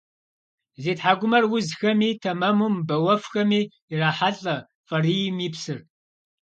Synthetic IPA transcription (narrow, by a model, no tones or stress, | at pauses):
zeːtħaːɡʷʊmɐrwʊzxɐmiːtʰɐmɐmumbɐwɐfxɐmiː | raːħaɬʼɐ | fʼɐrijmiːpsɨr